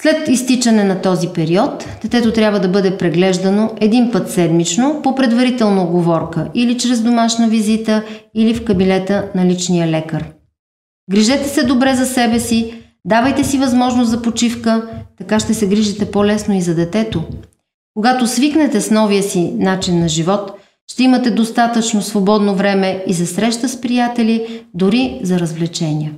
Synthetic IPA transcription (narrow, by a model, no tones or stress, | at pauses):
slɛt̪ist̪it͡ʃɐnɛnɐt̪ɔzipɛɾiɔt̪ | d̪ɛt̪ɛt̪ot̪ɾʲjabvəd̪ɐbɤd̪ɛpɾɛɡlɛʒd̪ɐnoɛd̪inpɤt̪sɛd̪mit͡ʃnopopɾɛd̪vɐɾit̪ɛlˠnɐɡovɔɾkəʔilit͡ʃɾɛzd̪omaʃnəvizit̪əilifkɐbinɛt̪ənɐlit͡ʃnijəlɛkəɾ | ɡɾiʒɛt̪ɛsɛd̪obɾɛzɐsɛbɛsi | d̪avəjt̪ɛsivɐzmɔʒnost̪zɐpot͡ʃifkət̪ɐkaʃt̪ɛsɛɡɾiʒit̪ɛpolɛsnoizɐd̪ɛt̪ɛt̪o | koɡat̪osviknɛt̪ɛsnɔvijəsinat͡ʃinːɐʒivɔt̪ | ʃt̪ɛimət̪ɛd̪ost̪at̪ət͡ʃnosvobɔd̪novɾɛmɛizɐsɾɛʃt̪əspɾijat̪ɛlid̪ʊɾizɐɾəzvlɛt͡ʃɛniə